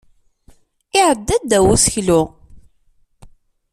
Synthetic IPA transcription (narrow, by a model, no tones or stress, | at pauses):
ɪʕəd̪ːæd̪ːæwusəçlu